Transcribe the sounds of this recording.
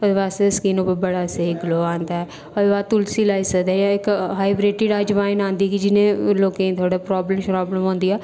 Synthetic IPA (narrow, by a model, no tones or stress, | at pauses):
pəɾʋaːssə̥kiːnoːpəbəɽaːseiɡloːãːnd̪aːɛː | ɔɾʋaːt̪ʊlsiːlaːiːsəkd̪aːjãɪkɦaːɪbɾeːʈɪɖad͡ʒʋaːɪnãːnd̪iːkiːd͡ʒɪnẽːloːkẽĩt̪ʰwaːɖaːpɾɔːbləmʃəɾaːbləmõːnd̪iːaː